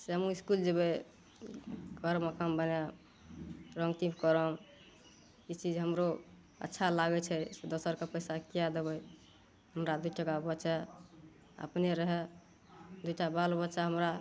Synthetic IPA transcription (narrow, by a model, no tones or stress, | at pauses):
semuiskuld͡ʒəbɛ | ɡʱəɾməkʰambəna | ɾəŋɡt̪ĩpkəɾəm | it͡ʃid͡ʒɦəmɾo | ə̰tːʃʰalaɡɛt͡ʃʰɛsed̪osəɾkepəjsakijad̪ebəj | ɦəmɾad̪uʈəɡabətːt͡ʃɛ | ə̰pneɾəɦɛ | d̪ujʈabalbətːʃaɦəmɾa